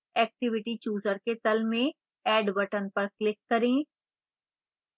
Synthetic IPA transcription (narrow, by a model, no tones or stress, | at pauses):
ɛːk̚ʈɪʋɪʈit͡ʃuːzəɾket̪ɐlmẽ | ɛːɖbɐʈənpɐɾklɪkːɐɾẽː